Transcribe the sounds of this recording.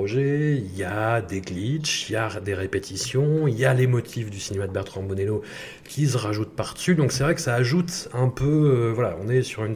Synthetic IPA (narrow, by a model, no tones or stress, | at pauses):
ɔʒɛiljad̪eɡlit͡ʃiljad̪eʁepet̪ʰisjɔ̃iljalemɔt̪ʰifd̪ysinemad̪əbɛʁt̪χɑ̃bunelo | kʲʰisəʁaʒut̪̚paʁd̪əsyd̪ɔ̃ksɛvʁɛkə̥saːʒut̪ɛ̃pøvwalaɔ̰̃nɛsyʁyn